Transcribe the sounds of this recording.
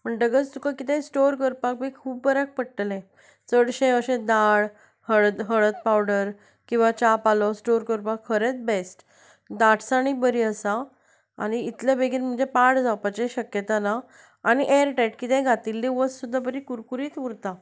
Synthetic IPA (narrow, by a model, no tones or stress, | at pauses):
m̤əɳʈ̪əɡət͡st̪ukʰakit̪ɛ̃sʈoɾkəɾpak̚bekʰuːbbəɾak̚pəɽʈəlɛ̃ | t͡səɽɕẽəɕẽd̪aɭ | həɭt̪ɦəɭət̪̚pawɽəɾ | kĩw̃ʋat͡ɕapalɔsʈoɾkəɾpakʰːəɾet͡sbesʈ | d̪aʈʰsaɽ̃ibəɾiəsa | a̰ñiːt̪ljabeɡiːɾm̤əɳd͡zepaʈd͡zawpat͡ɕeɕəkjət̪anaː | ɽ̃iʔeɾʈeʈkit̪ẽɡʱat̪ilːeʋəssud̪ʱːabəɾikuɾkuɾiːt̪uɾt̪a